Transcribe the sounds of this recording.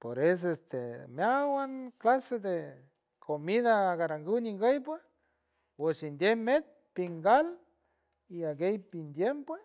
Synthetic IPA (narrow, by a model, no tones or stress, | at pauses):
poɾes̬est̪emjawanklased̪e | kʰomiðaːɣaɾaŋɡuniŋɡəjp̬we | wesind̪jemet̪̚piŋɡal | iaɡejpind̪jempwes